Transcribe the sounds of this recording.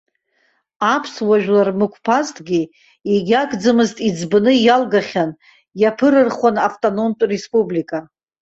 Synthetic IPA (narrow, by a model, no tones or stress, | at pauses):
apʰswaʒᶣlarmɨkʷʰpʰaztʼɡʲi | eɡʲakʰʼd͡zɨmɨztʼid͡zbnɨjalɡaχʲan | japʰɨɾɨrχwanaftʼono̞mtʷʼre̞spʼublikʼa